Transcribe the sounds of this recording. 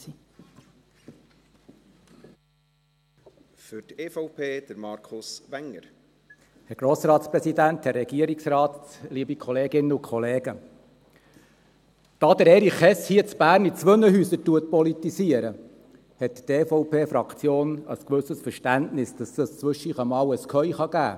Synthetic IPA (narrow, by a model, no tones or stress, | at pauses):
i | fʏɾteːfɔʊpʰeːd̥̪əɾmɑɾkʰʊsʋɛŋːəɾ | hɛɾɡ̥ɾoːsɾɑːt̪spɾɛsidænt̪hɛrːɛɡ̥iəɾiksɾɑːt̪liːbikʰɔleːɡɪnːəʊkʰɔleːɡə | d̪̥ɑːd̪əɾɛːɾiχɛshiːət͡sb̥æːɾnit͡sʋɵnəɦyːsəɾtuət̚pɔlitisiəɾə | hɛtteːfɔʊpeːfɾɑkt͡sjoːnə̰skʋɵsəsfəɾʃtæntnɪsd̥ɑsəst͡sʋɵʃiχəmɑːwəskʰœʏχɑɡæ̰ː